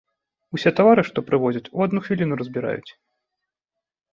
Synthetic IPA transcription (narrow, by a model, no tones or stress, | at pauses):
usʲɛt̪avaɾɨʂt̪ɔpɾɨvɔzʲɐt͡sʲuad̪nuxvʲilʲinuɾɐzʲbʲiɾa̰jṵt͡sʲ